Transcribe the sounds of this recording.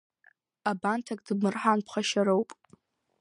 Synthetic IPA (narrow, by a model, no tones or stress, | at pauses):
abantʰakʼdbmɨrħanpʰχaʃaɾowpʼ